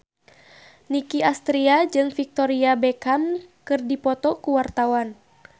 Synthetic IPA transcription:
nikiast̪ɾiad͡ʒɨŋfik̚t̪ɔɾiabɛkamkɨrdipɔt̪ɔkuwart̪awan

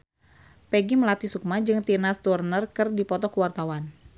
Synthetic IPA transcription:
pɛɡiməlat̪isuk̚mad͡ʒɨŋt̪inast̪urnərkɨrdipɔt̪ɔkuwart̪awan

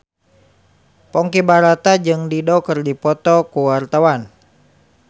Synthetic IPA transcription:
pɔŋkibaɾat̪ad͡ʒɨŋdidɔkɨrdipɔt̪ɔkuwart̪awan

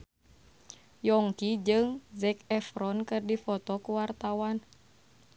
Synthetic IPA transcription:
jɔŋkid͡ʒɨŋzɛkɛfɾɔnkɨrdifɔt̪ɔkuwart̪awan

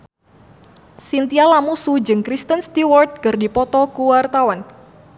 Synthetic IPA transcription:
sint̪ialamusud͡ʒɨŋkɾist̪ənst̪iwɔrd̚kərdipɔt̪ɔkuwart̪awan

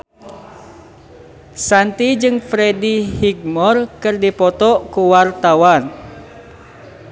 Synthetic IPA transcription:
sant̪id͡ʒɨŋfɾedihiɡ̚mɔrkɨrdipɔt̪ɔkuwart̪awan

